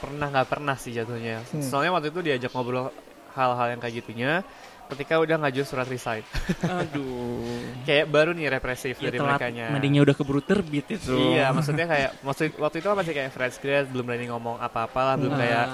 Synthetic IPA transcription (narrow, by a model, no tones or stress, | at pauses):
pərnahŋɡapə̰rnahsɪd͡ʒat̪uhɲasənalɲawak̚t̪uit̪̬udiad͡ʒak̚mobɾɔl | halɦaljaŋkajaɡit̪uɲa | kət̪ikaudahŋad͡ʒusuɾat̪risajt̪̚u | kajaʔbaɾuniɾepɾesɪfdaɾiməlɾeakaɲamadeɲaudahkəbɾut̪ərbɪt̪̚it̪uijamaksut̪̚ɲakajaʔmaksut̪wak̚t̪uit̪ukahmasikajaʔfɾɛnsɡɾɛt̪̚bəlʊmɾaniŋɔmɔŋa̰paːpalahbəlʊmkajaʔ